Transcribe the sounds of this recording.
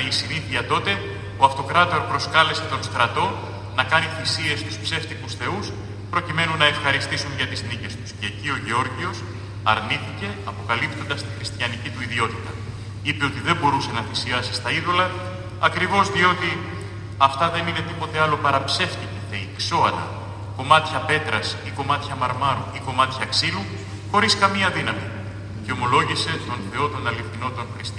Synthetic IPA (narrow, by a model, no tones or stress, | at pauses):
isiniθiɐt̪o̞t̪e̞ | o̞ɐft̪o̞kɾɐt̪o̞ɾpɾo̞skɐle̞se̞t̪o̞nst̪ɾɐt̪o̞n | nɐkɐniθisie̞st̪u̥spse̞ft̪ikusθe̞us | pɾo̞cime̞nunɐefxɐɾist̪isunʝɐt̪iznice̞st̪u̥sce̞ːcio̞ʝeo̞ɾʝio̞s | ɐ̰ɾniθice̞ɐpo̞kɐlipt̪o̞nd̪ɐst̪ixɾist̪ʝɐnicit̪uiðio̞t̪it̪ɐ | ipe̞o̞t̪iðe̞mbo̞ɾuse̞nɐθisiɐsist̪ɐiðo̞lɐ | ɐkɾivo̞zðio̞t̪i | ɐft̪ɐðe̞nine̞t̪ipo̞t̪e̞ɐlo̞pɐɾɐpse̞ft̪iceteikso̞ɐt̪ɐ̰ | ko̞mɐt̪çɐpe̞t̪ɾɐsiko̞mɐt̪çɐmɐɾmɐɾuiko̞mɐt̪çɐksilu | xo̞ɾiskɐmiɐðinɐmi | ceo̞mo̞lo̞ʝise̞t̪o̞nθe̞o̞t̪o̞nɐlifθino̞t̪o̞nxɾist̪